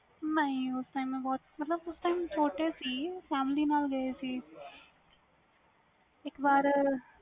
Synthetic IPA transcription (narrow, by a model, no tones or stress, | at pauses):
mɐjosʈɐjmebɔːt̪mɐt̪lɐbfɐsʈɐjmt͡ʃoːʈːeːsifaːmliːnaːlɡɐeːsi | ekbaːɾ